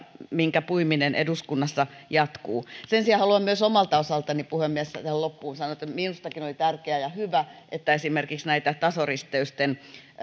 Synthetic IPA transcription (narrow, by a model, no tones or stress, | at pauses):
miŋkæpuiminenʔḛduskunːɑsːɑ | jɑt̪kuːsensiɑhɑluɑmmyøsomɑlt̪ɑosɑlt̪ɑnipuhemːiessæt̪æhællopːuːnsɑnoet̪ːæminust̪ɑkinolit̪ærkeæjɑhyʋæʔet̪ːæesimerkiksnæit̪æt̪ɑsorist̪eyst̪en